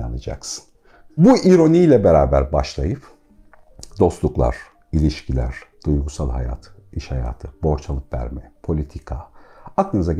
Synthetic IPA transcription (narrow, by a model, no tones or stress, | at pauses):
anɯd͡ʒa̰ksɯn | buʔiɾo̞nijlʲɛbeɾaːbæɾbaʃlˠajɯp | d̪o̞st̪lˠuklˠa̰ɾ̥ | ilʲiʃcʰilʲæ̰ɾ̥d̪̥ujɡusalˠɦaja̰t̪ʰ | iʃhaja̰ːt̪ʰɯbo̞ɾt͡ʃʰalˠɯpvæ̰ɾmɛpʰo̞lʲit̪ʰikʰaaklˠɯnɯza